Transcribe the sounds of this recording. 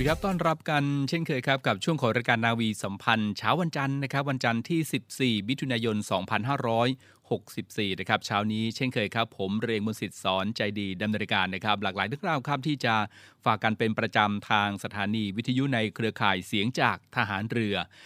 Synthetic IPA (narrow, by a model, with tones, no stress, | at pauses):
kʰa˦˥p̚t̪ɔː˥˩nɾa˦˥p̚ka˧nt͡ɕʰe˥˩nkʰɤː˧jkʰa˦˥p̚ka˨˩p̚t͡ɕʰu˥˩əŋkʰɔː˩˦ŋɾaː˧jkaː˧nːaː˧wiː˧sa˩˦mpʰa˧nt͡ɕʰaː˦˥wa˧nt͡ɕa˧nːa˦˥kʰp̚wa˧nt͡ɕa˧nt̪ʰiː˥˩si˨˩p̚siː˨˩wi˦˥t̪ʰːu˧naː˧jo˧nsɔː˩˦ŋpʰa˧nɦaː˥˩ɾɔː˦˥j | ho˨˩k̚si˨˩p̚siː˨˩na˥˩kʰa˦˥p̚t͡ɕʰaː˦˥wniː˦˥t͡ɕʰe˥˩nkʰɤː˧jkʰa˦˥pʰːo˩˦mɾeː˧ŋmu˧nsi˨˩t̪̚sɔː˩˦nt͡ɕa˧jdiː˧da˧mnɤː˧nkaː˧nːa˦˥kʰa˦˥p̚laː˨˩k̚laː˩˦jdɯ˧˩əŋɾaː˧˩wkʰa˦˥˩m̚t̪ʰiː˥˩t͡ɕa˨˩ | faː˨˩kːa˧npe˧npɾa˧t͡ɕa˧mt̪ʰaː˧ŋsa˧t̪ʰaː˩˦niː˧wi˦˥t̪ʰːa˧ju˦˥na˧jkʰɾɯ˧ɐkʰaː˨˩jsi˩˦əŋt͡ɕaː˨˩k̚t̪ʰa˧ɦaː˩˦nɾɯ˧ɐ